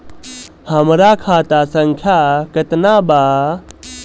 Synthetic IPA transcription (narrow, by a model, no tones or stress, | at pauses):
həmɾakʰaːt̪asəŋkʰjakət̪naba